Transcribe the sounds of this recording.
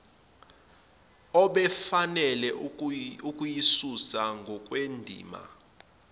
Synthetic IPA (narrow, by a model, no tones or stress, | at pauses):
ɔɓɛfanɛlɛ | ukʼujisusaŋɡʱɔkʼwendʱḭːma̰